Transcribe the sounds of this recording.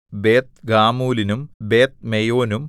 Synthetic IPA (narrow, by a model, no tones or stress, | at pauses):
beːt̪̚ɡaːmuːlinumbe̞ːt̪̚mejo̞ːnum